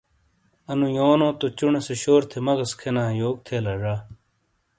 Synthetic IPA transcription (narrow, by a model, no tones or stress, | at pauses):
ɐnũjoːnõːt̪ot͡ɕuɳeseɕoːɾt̪ʰemɐɡɐskʰenãːjoːɡ̚t̪ʰeːlɐʐaː